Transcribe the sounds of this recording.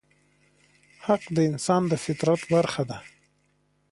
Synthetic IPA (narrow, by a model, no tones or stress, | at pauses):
haqd̪əɪnsɑnd̪əfɪt̪ɾat̪baɾxad̪a